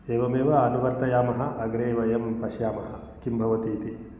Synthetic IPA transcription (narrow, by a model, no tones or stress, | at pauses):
eːʋɐmeːʋɐɐnuʋɐɾt̪ɐjaːmɐɦɐ̆ʔɐɡɾeːʋɐjɐmpɐʃjaːmɐɦɐ | kimbʱɐʋɐt̪iːt̪i